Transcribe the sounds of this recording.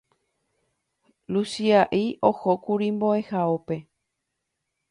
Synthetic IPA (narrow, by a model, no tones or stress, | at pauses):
lusiaʔiʔo̞hokuɾimbo̞e̞haope̞